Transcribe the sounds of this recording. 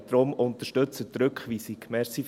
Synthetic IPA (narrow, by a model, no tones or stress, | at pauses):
d̥̪ɾʊmʊnt̪əʃtɵt͡sət̪ɾɵkχʋisikmɛsi